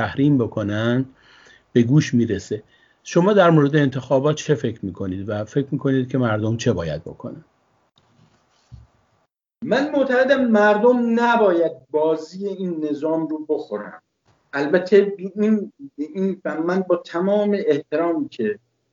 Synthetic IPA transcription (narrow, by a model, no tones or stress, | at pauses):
æhɾiːmbo̞kʰo̞næn | b̥e̞ɡuːʃmiːɾese | ʃo̞mɒːd̪æɾmoːɾed̪eːnt̪ʰe̞xɒːbɒːt̪̚t͡ʃʰe̞fe̞cʰɾmiːkʰo̞niːd̪væfecʰɾmiːkʰoniːd̪̚kʲʰe̞mæɾd̪omt͡ʃʰe̞bɒːjæ̰d̪̚bo̞̰kʰo̰næn | mænmoʔt̪ʰæɣed̪æmːæɾd̪omnæbɒːjæd̪̚bɒːziːjeiːnːe̞zɒːmɾuːbo̞xoɾæ̰m | ælbæt̪ʰeininfæmænbɒːt̪ʰæmɒːme̞ʔeht̪ʰe̞ɾɒːmicʰe